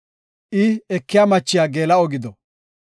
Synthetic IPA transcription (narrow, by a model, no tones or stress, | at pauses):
ʔɪɛkːɪjamɐt͡ʃːɪjaːɡeːlɐɔɡɪd̪ɔ